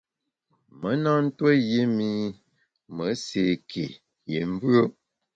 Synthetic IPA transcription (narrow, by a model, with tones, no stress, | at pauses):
mə˨˦na˦n̩˦twə˦je˦mi˦ | mə˨˦se˨kʰḛ˨ | je˨m˦vɰə˦